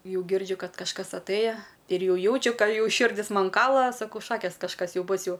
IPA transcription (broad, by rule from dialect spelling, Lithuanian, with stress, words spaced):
ˈjɛʊ ˈɡʲɪrʲd͡ʒʲʊ ˈkɐt kɐʃˈkɐs ɐtˈɘjɛ ɪr ˈjɛʊ ˈjɛʊt͡ʃʲʊ ˈkɑː ˈjɛʊ ˈʃʲɪrʲdʲɪs ˈmɐn ˈkɑːlˠɐ sɐˈkɐʊ ˈʃɑːkʲeːs kɐʃˈkɐs ˈjɛʊ ˈbʊs ˈjɛʊ